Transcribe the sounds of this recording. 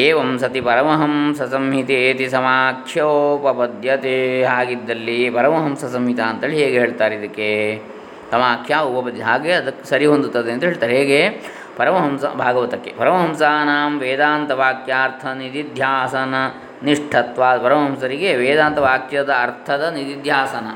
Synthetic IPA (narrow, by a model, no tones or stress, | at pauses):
eːʋɐmsɐt̪ipɐɾɐmɐɦɐmsɐsɐmɦit̪ieːt̪isɐmaːkʃjɐoːpɐpɐd̪ʱjɐt̪eɦaːɡid̪ːɐlːipɐɾɐmɐɦɐmsɐsɐmɦit̪aːnt̪ɐːɭiɦeːɡeɦeːɭt̪aːɾid̪ɐkːe | sɐmaːkʰjaːupɐpɐd̪iɦaːɡeɐd̪ɐkːesɐɾiɦond̪ut̪ːɐd̪eɐnt̪ɐɦeːɭt̪aːd̪eɦeːɡe | pɐɾɐmɐɦɐmsɐ̰bʱaːɡɐʋɐt̪ɐkːepɐɾɐmɐɦɐmsaːnaːmʋeːd̪aːnt̪ɐʋaːkʰjaːɾt̪ʰɐnid̪id̪ʱjaːsɐnɐ | niʂʈʰɐt̪ʋaːpɐɾɐmɐɦɐmsɐɾiɡeʋeːd̪aːnt̪ɐʋaːkʰjɐd̪ɐːɾt̪ʰɐd̪ɐnid̪id̪ʱjaːsɐnɐ